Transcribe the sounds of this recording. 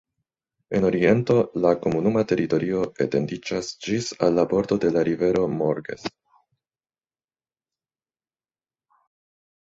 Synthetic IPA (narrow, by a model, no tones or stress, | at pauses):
e̞no̞ɾie̞nto̞lako̞munumate̞ɾʔito̞ɾio̞ḛte̞ndid͡ʒasd͡ʒisa̰lːapo̞ɾto̞de̞laɾive̞ɾo̞moɾɡe̞̰s